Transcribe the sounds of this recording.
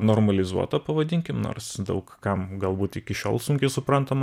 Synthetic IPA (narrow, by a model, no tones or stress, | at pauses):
noːrmɐlʲɪzṵɔt̪ɐpɐʋɐd̪ʲɪŋʲkʲɪmno̰ːrɾsd̪ɐʊkkɐmɡɐlˠbuːt̪ɪkʲɪʃʲo̰ːlˠsʊŋʲkʲɛɪsʊpɾɐnt̪ɐm